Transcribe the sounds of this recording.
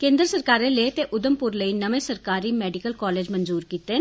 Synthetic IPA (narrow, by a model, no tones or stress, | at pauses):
kẽːnd̪ɾəsəɾkaːɾeːleːt̪eːʔʊd̪əmpʊɾləiːnəʋẽːsəɾkaːɾiːmɛːɖɪkəlkɔːleːd͡ʒmənzuːɾkiːt̪eː